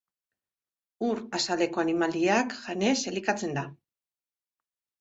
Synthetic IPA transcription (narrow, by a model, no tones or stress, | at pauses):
uɾasald̪e̞ko̞animaliakʝane̞se̞likat͡se̞nd̪a